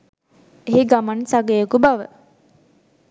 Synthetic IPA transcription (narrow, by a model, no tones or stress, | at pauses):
eɦiɡamansaɡejokubaʋə̰